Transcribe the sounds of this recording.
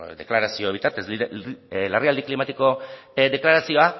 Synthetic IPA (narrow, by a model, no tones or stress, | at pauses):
d̪e̞̰klaɾasio̞βit̪aɾt̪e̞silariald̪iklimat̪iko̞d̪e̞klaɾasio̞a